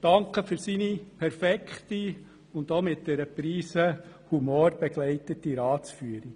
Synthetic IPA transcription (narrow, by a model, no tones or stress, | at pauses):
d̥ɑŋkəfʏɾsiːnipʰɛɾfɛkχti | ʊndoːmɪt̚dɛɾəpɾiːsə | humoːɾb̥ɛɡ̥lɛɪtətiɾɑːt͡sfyəɾi